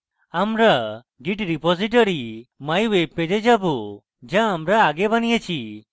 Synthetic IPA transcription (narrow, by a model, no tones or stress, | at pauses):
amɾa | ɡiʈɾipɔziʈ̬ɔɾimajweped͡ʒed͡ʒabu | d͡ʒãːmɾaːɡebanijət͡ʃʰi